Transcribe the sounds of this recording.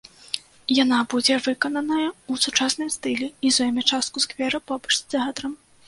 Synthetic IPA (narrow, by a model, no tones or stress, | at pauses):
janabud͡zʲɛvɨkɐnɐnɐjɐusut͡ʂasnɨmst̪ɨlʲɛizɔjɛmʲɛt͡ʂast̪kuskvʲɛɾɐpɔbɐʂʲt̪aɦɐt̪ɾɐm